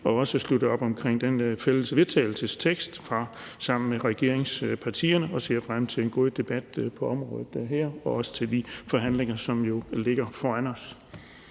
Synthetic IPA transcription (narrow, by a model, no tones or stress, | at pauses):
ɒ̽ɒ̽səslud̥əɒ̽b̥ɒ̽mkʰʁeŋ̰d̥enfel̰əsʋe̝ðˠt͡sʰɛ̰ɪl̩səst͡sʰeɡ̥sd̥fʁɑ̈ | sɑ̈m̰n̩meʁɛɡ̥e̝ɐ̰eŋspʰɑ̈t͡sʰḭːɐnəʔɒ̽se̝̰ːɐ̰fʁam̰t͡sʰe̝le̝nɡ̥o̝ðˠd̥e̝b̥æd̥pʰɒ̽ɒ̽mʁɔ̰̽ːð̩ˠd̥ɦɛɐ̰ɒ̽ɒ̽sə̥t͡sʰe̝ld̥ifɒ̽ɦæn̰leŋɐsɒ̽mjo̝le̝ɡ̥ɐfɒænɒ̽s